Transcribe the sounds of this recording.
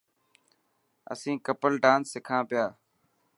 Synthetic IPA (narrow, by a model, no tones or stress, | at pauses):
ə̰sĩːkəpəlɖãːnsɪkʰãːpɪjaː